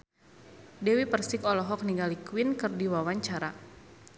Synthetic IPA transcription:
dɛwipərsɪkɔlɔɦɔk̚niŋɡalikwinkɨrdiwawaɲt͡ʃaɾa

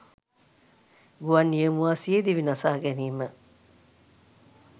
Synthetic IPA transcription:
ɡuʋɐnːiemuaːsied̪iʋinɐsaːɡæniːmə

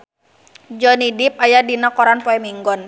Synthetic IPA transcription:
d͡ʒɔnidip̚ajadinakɔɾanpɔɛmiŋɡɔn

